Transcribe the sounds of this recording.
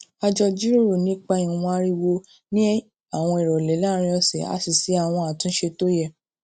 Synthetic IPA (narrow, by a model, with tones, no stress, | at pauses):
a˧d͡ʒɔ˧d͡ʒi˦ɾo˦˨ɾo˨nĩ˨˦k͡pa˧i˨˧ɔ̃˧a˧˦ɾi˦˧wo˧ | nĩ˦ | a˨w̃ɔ̃˧i˨ɾɔ˨lɛ˨˦la˦ɾ̃ĩ˧˦ɔ˧sɛ˨a̰˨˦si˨si˨˦a˦˨w̃ɔ̃˧a˨tũ˨˦ʃe˧to˦jɛ˦˨